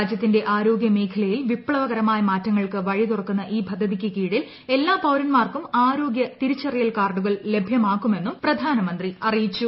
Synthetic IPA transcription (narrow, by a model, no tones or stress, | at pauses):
aːd͡ʑjɐt̪ːinde̞ʔaːɾo̞ːɡjɐme̞ːkʰɐlɐjilʋipːɭɐʋɐɣɐɾɐmaːjɐmaːtːɐŋːɐɭkɨʋɐɻit̪urɐkːunːɐʔiːbʱɐd̪ʱːɐðikʲːɨkiːɽil | e̞lːaːpɐwɾɐnmaːrkumaːɾo̞ːɡjɐt̪iɾut͡ɕːɐrijɐlkaːrɖuɣɐɭle̞bʱjɐmaːkːume̞nːumprɐd̪ʱaːnɐmɐnd̪riɐrijit͡ɕːu